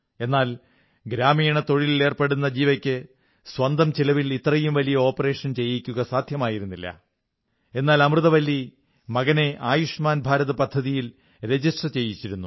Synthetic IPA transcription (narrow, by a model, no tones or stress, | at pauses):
e̞nːaːl | ɡɾaːmiːɳɐt̪o̞ɻilile̞ːrpe̞ɽunːɐd͡ʑiːʋɐkʲːɨ | sʋɐnd̪ɐmt͡ɕilɐʋilit̪rɐjumʋɐlijɐo̞ːpːɐre̞ːʂɐnt͡ɕe̞jːikʲːuɣɐsaːd̪ʱjɐmaːjiɾunːilːɐ̰ | e̞nːaːlɐmrɨðɐʋɐlːi | mɐɣɐne̞ʔaːjuʂmaːnbʱaːɾɐðɐpɐd̪ʱːɐðijil | ɾe̞d͡ʑiʂʈrɐt͡ɕe̞jːit͡ɕːiɾunːu